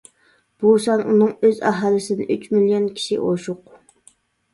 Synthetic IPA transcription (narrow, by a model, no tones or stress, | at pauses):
b̥usɑnʔunɨŋøzɑ̰ɦɑlɪsɪnɪ̰ʔyt͡ʃmilijonkʲʰi̥ʃḭʔoʃʊq